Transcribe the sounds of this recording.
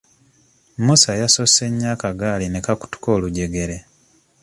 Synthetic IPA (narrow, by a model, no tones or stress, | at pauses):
musajaso̞se̞ɲːaːkaɡaːline̞kaku̥tu̥ko̞ːluɟe̞ɡe̞ɾe̞